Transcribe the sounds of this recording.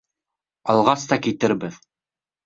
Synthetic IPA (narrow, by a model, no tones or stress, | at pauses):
ɑlˠʁɑst̪ɑkit̪ɘɾbɘð